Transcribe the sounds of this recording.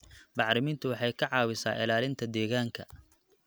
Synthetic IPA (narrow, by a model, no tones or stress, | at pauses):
bɑħɾɪmɪːnt̪ʰʊwɑħɑjkʰɐʕɑːwɪsa̰ːʔɪ̰laːlɪnt̪ʰɐd̪ɛːɣaːŋkʰɐ